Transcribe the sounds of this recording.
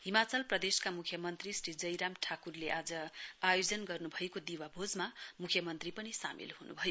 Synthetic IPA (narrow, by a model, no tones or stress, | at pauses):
ɦimat͡sʌlprʌd̪eskamukʰjʌmʌnt̪risrid͡zʌjɾamʈʰakurleʔad͡zʌajod͡zʌnɡʌrnubʱʌekod̪iwabʱod͡zmamukʰjʌmʌnt̪ripʌnisa̰mḭlhunṵbʱʌjo